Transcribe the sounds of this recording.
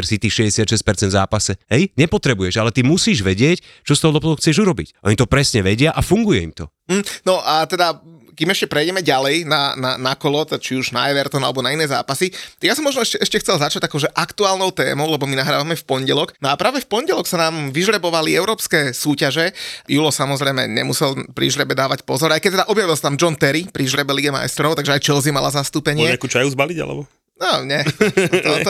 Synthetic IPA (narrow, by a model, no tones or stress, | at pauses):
ɾsit̪iːʃɛɟɛsɪat̪ʃɛsc̚ʲpɛɾt͡sɛnd̪za̰ːpasɛɦɛjɲɛpɔt̪ɾɛbujɛʒalɛt̪imusiːʒʋɛɟɪɛc | t͡ʃɔst̪ɔɦɔd̪ɔplɔxʰt͡sɪɛʒuɾɔbḭcʔɔɲit̪ɔpɾɛsɲɛʋɛɟɪaʔafuŋɡujɛḭmt̪ɔ | m̩m̩ːnɔʔat̪ɛd̪a | kimɛʃcɛpɾɛjɟɛmɛɟalɛjnana̰nakɔlɔt̪ɛat͡ʃiuʒna̰ɛʋɛɾt̪ɔna̰lɛbɔnainɛːza̰ːpasijasɔmːɔʒnɔɛʃcɛʔɛʃcɛxtt͡sɛlzat͡ʃaɟakɔʊʒɛʔakt̪uaːlnɔʊt̪ɛ̰ːmɔʊlɛbɔminaɦɾaːʋamɛfpɔɲɟɛlɔknɔapɾaːʋɛfpɔɲɟɛlɔksanaːmʋiʒɾɛbɔʋaliɛʊɾɔːpskɛːsuːcaʒɛjulɔsamɔzɾɛjmɛ̰ɲɛ̰musɛlpɾḭʒɾɛbɛd̪aːʋacpɔzɔɾajkɛct̪ɛd̪aʔɔbjaʋilˠsḁt̪amd͡ʒɔnt̪ɛɾipɾiʒɾɛbɛliɡɛma̰jst̪ɾɔʊt̪aɡʒɛajt͡ʃɛlzimalazast̪uːpɛɲɪɛakuːt͡ʃajuzbaliɟa̰lɛ̰bɔ | naɲɛt̪ɔt̪